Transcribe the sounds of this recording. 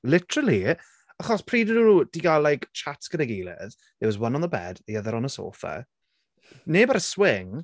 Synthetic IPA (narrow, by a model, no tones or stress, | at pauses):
lɪtəɾəlˠi | aχɔspʰr̥iːdənunuːd̥iɡalːajkt͡ʃʰatsɡ̥ənəɡeːlˠɛ̰ð | ðɛwɔzwanɔnðəbɛ̰diəðəɾɔnəso̰ːfə̰ | neːbaɾəswɪŋ